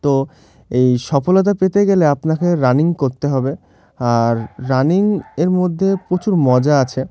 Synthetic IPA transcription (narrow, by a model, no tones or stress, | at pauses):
t̪o | ejʃɔfolot̪̬apet̪eɡeleapnakeɾaniŋkoɾt̪eɦɔbe | aɾːaniŋeɾmod̪ʱːepɾot͡ɕuɾmɔd͡ʑaat͡ɕʰe